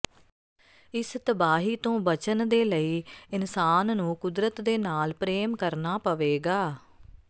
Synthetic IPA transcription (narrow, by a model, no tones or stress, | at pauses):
ɪst̪əbaːɦiːt̪õːbət͡ʃənd̪eːləiːɪnsaːnnũːkʊd̪ɾət̪d̪eːnaːlpɾeːmkəɾnaːpəʋeːɡaː